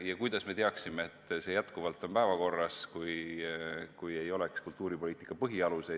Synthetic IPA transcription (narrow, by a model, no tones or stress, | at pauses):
jɑkujd̪ɑsme̞t̪eɑksimeet̪ːˑse̞jæt̪kuvɑlt̪ːˑo̞mpæevɑko̞rːɑskuj | kuje̞jo̞lekskult̪ːˑuːɾipo̞liːt̪ːˑi̥kːˑɑpɤɦiɑluse̞j